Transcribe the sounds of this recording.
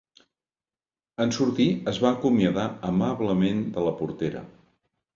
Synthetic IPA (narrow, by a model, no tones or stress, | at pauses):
ənsuɾt̪iəzβaːkumiəðaəmaβləmend̪ələpuɾt̪eɾə̰